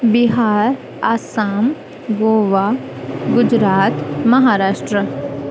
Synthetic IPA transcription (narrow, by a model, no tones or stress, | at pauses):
bɪɦaːɾ | aːsaːm | ɡoːʋaː | ɡʊd͡ʒɾaːt̪mɐɦaːɾaːʃʈɾə